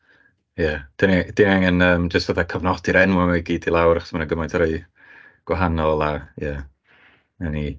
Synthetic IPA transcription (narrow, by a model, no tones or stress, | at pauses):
jad̥ənid̥ɪnaŋənəːmd͡ʒəstvəðakʰəvnɔdiɾɛnwɔmajɡiːdilˠawɾaχɔ̥smanəɡəmajntʰɾeɨ | ɡ̥waɦanɔlˠajɛ | ɛni